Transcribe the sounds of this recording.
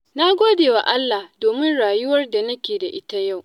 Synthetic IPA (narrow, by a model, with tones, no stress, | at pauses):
na˦ɡʷoː˦deː˨wa˨ʔa˦lːa˨hdoː˨mɪ˦nɽaː˨jʊ˦wɐ˦rda˨nɐ˦kʲeː˨da˨ʔɪ˦ta˦ja˦˨w